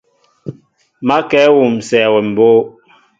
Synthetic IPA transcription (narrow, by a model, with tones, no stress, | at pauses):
ma˦kɛː˨˦wu˨m̩˨sɛː˨wɛ˨m̩˨boː˦